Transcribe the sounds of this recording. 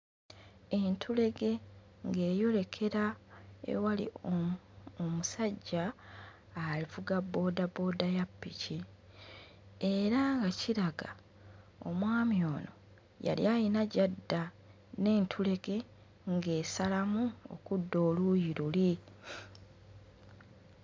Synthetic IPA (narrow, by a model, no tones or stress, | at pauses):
e̞ntʰule̞ɡe̞ | ŋɡe̞ːjo̞le̞kʰe̞ɾaḛwalḭ | omusaɟːaː | livuɡabːo̞ːdabo̞ːdajapːici | e̞ɾaŋɡaciɾaɡa | o̞̰mwaːmjo̞ːno̞̰ | ja̰ljajinaɟadːa | ne̞ːntʰule̞ɡe̞ | ŋɡe̞ːsalamuo̰kudːo̞ːlujiɾuli